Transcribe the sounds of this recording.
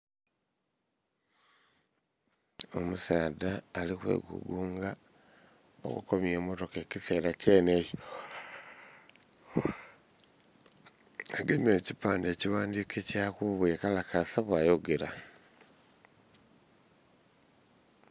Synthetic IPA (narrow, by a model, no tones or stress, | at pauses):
o̞musaːdaːlikwḛɡṵɡuːŋɡa | o̰kṵkomjemotoke̞ciseːlacenejo | aɡemecipaːndeːciwaːndikecakuβuekalakasaβwaːjoɡeɾa